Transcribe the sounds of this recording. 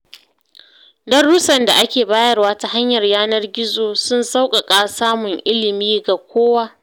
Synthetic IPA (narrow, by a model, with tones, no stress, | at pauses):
dɐ˦rːu˦sɐ˨nda˨ʔa˦kʲeː˨baː˦jɐ˦rwaː˦ta˨ha˦ɲjɐ˨rjaː˦nɐ˦rɡʲɪ˦zoː˨sʊ˦nsa˦wkʼa˨kʼaː˦saː˦mʊ˨ŋʔɪ˦lɪ˨miː˦ɡa˨kʷoː˦waː˦